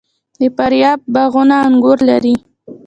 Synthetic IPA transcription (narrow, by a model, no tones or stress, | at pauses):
d̪əpaɾjɑb̚ːaɣʊnaːŋɡʊɾlaɾi